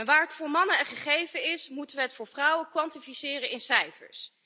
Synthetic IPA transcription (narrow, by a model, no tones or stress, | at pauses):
ʋaːɹɦətfʊːɹmɑnəɛχəχejvənɪsmutənʋəɦɛtfʊːɹvrʌwəkʋɑntifisɪːrənɪnsɛjfə̰ɹs